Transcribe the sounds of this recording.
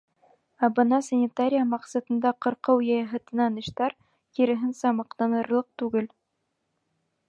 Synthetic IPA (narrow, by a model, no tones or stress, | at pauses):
æbɤ̆nɑsɐnʲɪt̪aɾʲɪjamɑqsɑt̪ɤ̆nd̪ɑqɤ̆ɾqɤwjɑjɑɦɤ̆t̪ɤ̆nɑnɘ̆ʃt̪ɑɾ | kiɾɘ̆ɦɘnsæmɑqt̪ɑnɤ̆ɾlˠɤq̚t̪ʉɡɘl